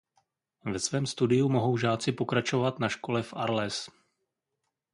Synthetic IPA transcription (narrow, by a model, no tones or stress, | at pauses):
vɛsvɛːmst̪udɪjumo̞ɦo̞wʒaːt͡sɪpo̞kɾat͡ʃo̞vat̪naʃko̞lɛfʔaɾlɛs